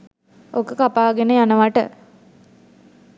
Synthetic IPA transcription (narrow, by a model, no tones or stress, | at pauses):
ʔokəkapaːɡenəjanəʋaʈə̰